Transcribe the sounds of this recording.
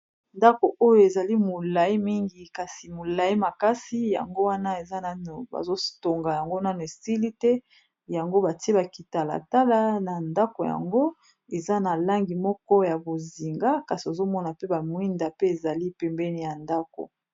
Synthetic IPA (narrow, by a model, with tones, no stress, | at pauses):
nda˦ko˨ʔo˦jo˨e˨za˨li˦mo˨la˨i˦mi˦ŋɡi˨ka˨si˨mo˨la˨ji˦ma˨ka˦si˦ja̰˨ŋɡo˦wa˦na˦e˨za˦na˦n˨ba̰˨zo˦to˨ŋɡa˨ja˨ŋɡo˦na˦no˨e˨si˦li˦tɛ˦ | ja˨ŋɡo˦ba˨ti˦e˦ba˨ki˨ta˨la̰˨ta˦la˦na˨nda˦ko˨ja̰˨ŋɡo˦ | e˨za˦na˨la˦ŋɡi˨mɔ˦kɔ˦ja˨bo˨zi˨ŋɡa˦ka˨si˨o˨zo˦mɔ˦na˨pe˦ba˨mwi˦nda˨pe˦e˨za˨li˦pɛ˨mbɛ˦ni˦˨ja˨nda˦ko̰˨